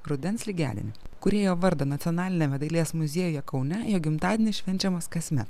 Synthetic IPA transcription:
ɾʊd̪ʲɛnsʲlʲɪɡʲæ̰ːd̪ʲɪ̰nʲɪkʊɾʲeːjoːʋɐɾd̪oːnɐt̪sʲiɔnɑːlʲɪnʲɛmʲɛd̪ɐɪlʲeːsmʊzʲeːjoːjɛkɒʊnʲɛjoːɡʲɪmt̪ɑːd̪ʲenʲɪsʃʲʋʲɛnʲt͡ʃʲɛmɐskɐsʲmʲɛt̪

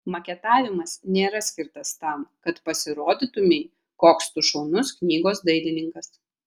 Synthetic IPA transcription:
mɐkʲɛt̪ɑːʋʲɪmɐsnʲeːɾɐsʲkʲɪɾt̪ɐst̪ɐmkɐt̪pɐsʲɪɾoːd̪ʲit̪ʊmʲɛɪ | koːkst̪ʊʃɔʊnʊsknʲiːɡoːsd̪ɐɪlʲɪnʲɪŋkɐs

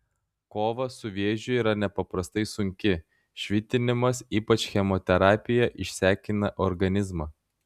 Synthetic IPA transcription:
koːʋɐsʊʋʲeːʒʲʊiːɾɐnʲɛpɐpɾɐst̪ɐɪsʊŋʲkʲɪ | ʃʲʋʲɪt̪ʲɪnʲɪmɐsiːpɐt͡ʃʲxʲɛmɔt̪ʲɛɾɑːpʲɪjɛʔɪʃʲsʲæːkʲɪnɐʔɔɾɡɐnʲɪzmɑː

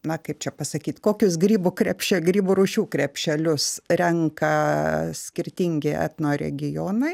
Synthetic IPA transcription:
nɐkɐɪp̚t͡ʃʲɛpɐsɐkʲiːt̪koːkʲʊs̬ɡɾʲiːbukɾʲɛpʲʃʲɛlɡɾʲiːbuɾuːʃʲuːkɾʲɛpʲʃʲɛlʲʊsɾʲɛŋkɐsʲkʲɪɾʲt̪ʲiŋʲɡʲɪʔæ̰ːt̪noːɾʲɛ̰ɡʲɪjoːnɐɪ

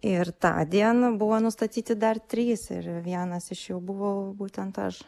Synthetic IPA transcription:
ɪrt̪ɑ̰ːd̪ʲiɛnɐbʊʋoːnʊst̪ɐt̪ʲiːt̪ʲɪd̪ɐrt̪ʲɾʲiːsɪ̰rʋʲiɛnɐsɪʃjɛʊbʊʋɐʊbuːt̪ʲɛnt̪ɐʃ

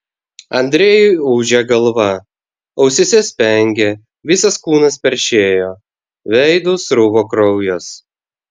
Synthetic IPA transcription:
ɐnʲd̪ʲɾʲeːjʊɪuːʒʲɛɡɐlˠʋɐ | ɒʊsʲɪsʲɛsʲpʲɛŋʲɡʲe | ʋʲɪsɐskuːnɐspʲɛɾʲʃʲeːjoː | ʋʲɛɪd̪uːsɾʊʋoːkɾɔʊjoːs

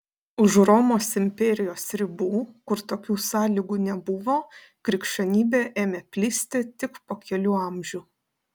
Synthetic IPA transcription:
ʊʒɾɔːmoːsɪmʲpʲɛːɾʲɪjoːsɾʲɪbuːkʊɾt̪oːkʲuːsɑːlʲiːɡuːnʲɛbʊʋoː | kɾʲɪkʃʲɛnʲiːbʲeːʔeːmʲeːpʲlʲiːsʲt̪ʲɪt̪ʲɪkpoːkʲɛlʲuːɐˑmʲʒʲuː

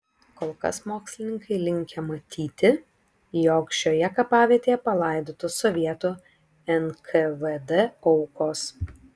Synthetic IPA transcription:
koːlˠkɐ̰smoːksʲlʲɪnʲɪŋkɐɪlʲɪŋʲkʲɛmɐt̪ʲʰiːt̪ʲɪ | jɔːkʃʲoːjɛkɐpɑːʋʲiɛt̪ʲeːjɛpɐlˠɑˑɪd̪oːt̪ʊsɔʋʲiɛt̪u | ɛnkʰɛʋɛd̪ɛɔʊkoːs

